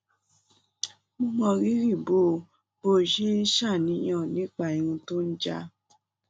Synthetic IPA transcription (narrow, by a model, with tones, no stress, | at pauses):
mũ˦mɔ̃˧ɾi˦ɾi˦˨boː˦˨ | bo˦˨ʃe˦n̩˦ʃa˦˨nĩ˨˦j̃ɔ̃˦˨nĩ˦k͡pa˦˨i˧ɾũ˧to˦n̩˦d͡ʒa˧˦